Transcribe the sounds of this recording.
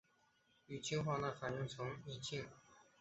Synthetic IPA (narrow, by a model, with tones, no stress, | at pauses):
y˨˩t͡ɕʰi˥ŋxwa˥˧na˥˩fa˨˩nji˥˩ŋt͡sʰʊ˧˥ŋi˨˩t͡ɕʰi˥˩ŋ